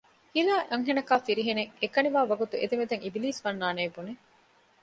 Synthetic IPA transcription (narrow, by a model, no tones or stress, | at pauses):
hilaːʔɐŋɦenɐkaːfiɾiɦeneekɐniʋaːʋɐɡut̪ued̪emed̪eŋibiliːsʋɐnːaːneːbune